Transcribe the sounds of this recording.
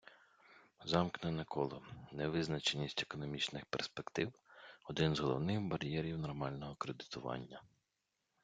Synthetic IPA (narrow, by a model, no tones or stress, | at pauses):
zɑmknɛnɐkʰɔlˠɔnɛʋɪznɐt͡ʃenʲisʲtʲekɔnɔmʲit͡ʃnɪxperspekt̪ɪwɔd̪ɪnzɦɔlˠɔ̰wnɪxbɐɾʲjɛɾʲiwnɔrmɑlʲnɔɦɔkɾed̪ɪt̪ʊʋɑ̰nʲːɐ